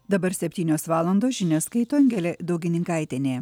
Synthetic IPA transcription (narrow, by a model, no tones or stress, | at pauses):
d̪ɐbɐɾsʲɛpʲt̪ʲiːnʲoːsʋɑːlˠɐnd̪oːsʒʲɪnʲoːskɐɪt̪oːɛŋʲɡʲɛlʲeːd̪ɐʊɡʲɪnʲɪŋkɐˑɪt̪ʲɪnʲeː